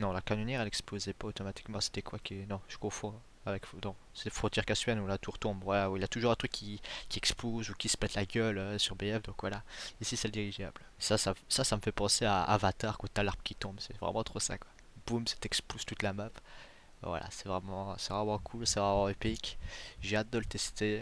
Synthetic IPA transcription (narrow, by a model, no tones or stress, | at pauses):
nɔ̃lakanynjɛʁɛlɛksplozɛpaot̪ɔmat̪i̥kmɑ̃se̥t̪ɛkwakinɔ̃ʒ̥ə̥kɔ̃fɔ̃ | avɛkfd̪ɔ̃ | se̥t̪ɛfχɔ̃t̪jɛʁkasɥɛnulat̪uʁt̪ɔ̃bvwalauiljat̪uʒuʁɛ̃t̪χykʲːikʲiɛkspozukʲisə̥pɛt̪laɡʲœløsyʁbeɛfd̪ɔ̃kvwalaisisɛld̪iʁiʒablesasasasaməfɛpɑ̃sea̰ːvat̪aʁkwot̪alaʁpkʲʰit̪ɔ̃bsɛvʁɛ̰mɑ̃t̪χosa̰kwa | b̥umsɛ̥t̪ɛkspoz̥t̪ut̪lamap | vwa̰la̰sɛvʁɛmɑ̃sɛvʁɛmɑ̃kʰulsɛvʁɛmɑ̃epikʲʒeat̪̚d̪ələt̪ɛst̪e